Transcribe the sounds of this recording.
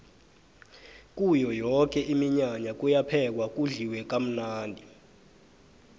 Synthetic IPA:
k̬ʼujɔjɔk̬ɛʔimiɲaɲak̬ujapʰɛk̬wak̬uɮiwɛk̬ʼam̩naːndʱi

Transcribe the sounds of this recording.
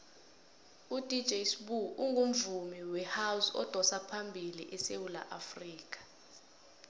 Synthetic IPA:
ud̥ʱi̥d͡ʒʱejsɓuʔuŋɡʱum̩vumiwɛhausɔ̰d̥ʱɔsapʰambʱilḭʔɛsewula̰ʔafriːk̬ʼḁ

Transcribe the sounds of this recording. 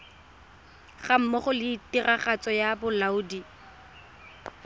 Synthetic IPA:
χam̩mɔχʊlɪːtiraχat͡sɔjabʊlauːdi

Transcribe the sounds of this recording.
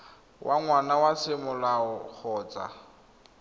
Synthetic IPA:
wʔaŋwanawasɪmʊlaɔk͡xʰɔːt͡sʼa̰

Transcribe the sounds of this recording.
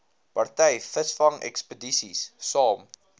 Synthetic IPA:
pɐrtɛjfəsfɐŋɛ̰kspədisissɑːm

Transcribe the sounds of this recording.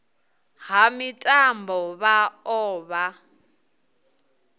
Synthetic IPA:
ɦamitʼambɔβaɔːβa

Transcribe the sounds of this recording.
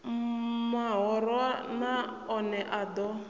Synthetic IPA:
mmaɦɔɾɔana | ɔnɛʔadɔ

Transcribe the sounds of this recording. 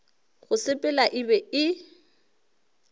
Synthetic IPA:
ɣʊsɪpʼɛlaʔɪbɛɪ

